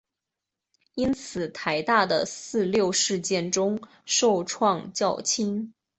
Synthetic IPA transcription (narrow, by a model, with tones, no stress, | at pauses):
i˥nt͡sʰɹ̩˨˩t̪ʰa˧˥ɪt̪a˥˩d̪ə˩sɹ̩˥˧ljo˥˧ʊʂɻ̩˥˧t͡ɕjɛ˥˩nʈ͡ʂʊ˥ŋ | ʂo˥˧ʊʈ͡ʂʰwɑ˥˧ŋt͡ɕjɑ˥˩ʊt͡ɕʰi˥n